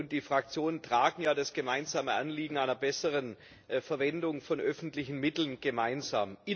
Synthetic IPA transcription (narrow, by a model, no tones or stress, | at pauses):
ʊnt̚d̥iːfʁ̥ak̚t͡sjoːnəntʁ̥aːɡŋ̩jaːdasɡ̥əmaɪnzaːməʔa̰nliːɡŋ̩aɪnɐbɛsəʁən | fɛɐvɛndʊŋfɔnʔœfn̩tlɪçn̩mɪtl̩nɡ̥əmaɪnzaːmʔɪ